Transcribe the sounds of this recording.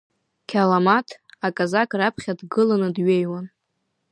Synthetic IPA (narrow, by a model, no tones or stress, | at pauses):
kʲʰalamatʰakʼazakʼrapʰχʲadɡɨlanɨdɥejwan